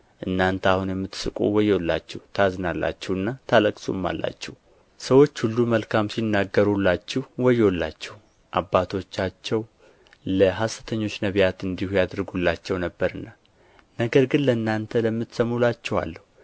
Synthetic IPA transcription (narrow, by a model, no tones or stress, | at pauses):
ʔɨnːant̪ʰahunjɛmːɨt̪ːsɨkʼṵwɔjolːa̰t͡ʃːɛhut̪ʰaznalːa̰t͡ʃːɛhɨnːat̪ʰaləkʼsṵmːa̰lːa̰t͡ʃːɛhu | səwo̞t͡ʃːhulːuməlkʰamsinːaɡːəɾulːat͡ʃːɛhwɔjolːat͡ʃːɛh | ʔabːat̪ʰo̞t͡ʃːat͡ʃːɛw | ləɦasət̪ʰəɲːo̞t͡ʃːnəβjat̪ɨnd̪ihujad̪ɾɡulːat͡ʃːɛwnəbːəɾɨnːa | nəɡəɾɡɨnləɨnːant̪ʰələmːɨt̪səmːulat͡ʃːɛwa̰lːəhu